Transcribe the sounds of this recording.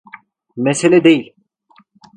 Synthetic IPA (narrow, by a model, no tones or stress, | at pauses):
mɛselʲɛd̪ejilʲ